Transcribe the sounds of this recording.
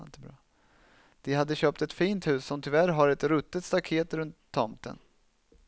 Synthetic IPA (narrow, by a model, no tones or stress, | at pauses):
nt̪əbɾɑ̰ː | d̪̥ɪɦad̪ːəɕøːp̚t̪ɛt̪fiːnt̪hʉ̟ːsːɔmt̪ʰɪvæɾɦaɾɛt̪ɾɵt̪ːət̪st̪akʰeːt̪ɾɵnt̪ʰːɔmt̪ə̰n